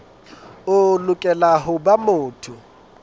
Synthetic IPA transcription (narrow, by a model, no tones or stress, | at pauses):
ʊlʊkʼɛlaɦʊbamʊːtʰʊ